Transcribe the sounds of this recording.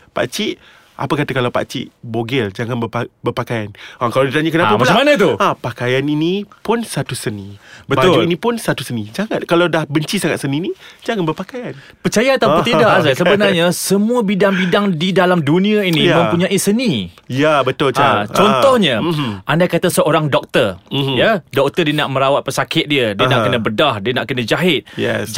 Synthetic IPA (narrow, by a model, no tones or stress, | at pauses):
pa̰ʔt͡ʃiʔ | ʔa̰pakat̪akalawpa̰ʔt͡ʃḭʔboɡɛld͡ʒaŋanbəbərpakajanakaladit̪aɲakənapamaəlmanat̪uapakajaninipʊnsat̪usənibəbad͡ʒuinĩpʊnsat̪usənid͡ʒaŋat̪̚kalawdahbəɲt͡ʃisaŋat̪səninid͡ʒaŋanbərpakajan | pərt͡ʃajaat̪awp̪idaʔsasəbənarɲasəmũəbidaŋbidaŋdidalamdunĩainĩmə̃mpuɲãʔisənijabət̪ʊlt͡ʃaat͡ʃɔnt̪ɔhɲaʔandakat̪asəoɾaŋdɔk̚t̪ərjadɔk̚t̪ərdiənaʔmə̃ɾawat̪̚pəsakɪt̪̚diədiənaʔkənə̃bədahdiənaʔkənə̃d͡ʒaɦɪt̪̚jɛ̰s